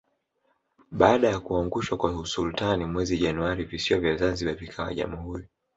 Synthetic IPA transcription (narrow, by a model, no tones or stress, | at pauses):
ɓaːɗajakuaŋɡuʃwakwausultanimwɛziʄanuaɾivisiɔvjazanziɓavikʰawa̰ʄa̰muɦuɾi